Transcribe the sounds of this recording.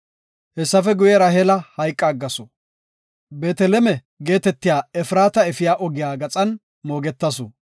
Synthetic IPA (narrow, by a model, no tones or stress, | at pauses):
hɛsːɐfɛɡʊjɛɾɐɦɛlɐhɐjkʼːɐːɡːɐsɔ | beːt̪ɛlɛmɛ | ɡe̞ːt̪ɛt̪ːɪjaːɛfɾaːt̪ɐɛfɪjaːʔɔɡɪjaːɡɐt͡sʼɐn | mo̞ːɡɛt̪ːɐsɔ